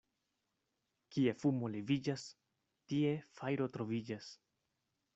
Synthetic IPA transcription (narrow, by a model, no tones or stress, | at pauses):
kie̞fumo̞le̞vid͡ʒas | tie̞fajɾo̞tɾo̞vid͡ʒas